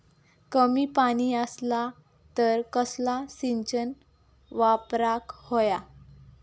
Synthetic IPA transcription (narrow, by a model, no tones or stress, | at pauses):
kəmiːpaɽ̃iːəsla | t̪əɾkəslasiɲt͡ɕən | ʋapɾakhoja